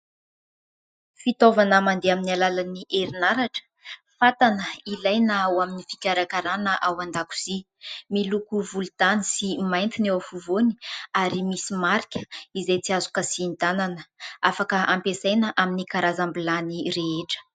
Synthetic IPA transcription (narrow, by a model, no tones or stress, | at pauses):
fit̪ovanamand̪eaminialalaniʔeɾinaɾaʈ͡ʂə̥fat̪anəilajnaawaminifi̥kʲaɾakaɾanəʔawand̪aku̥z̥i | milukuvulut̪anisimajnt̪inewafuvoni̥aɾimisimaɾikʲə̥izejt͡siazukəsint̪ananəafakəampesajnəʔaminikaɾazambilanireeʈ͡ʂə̥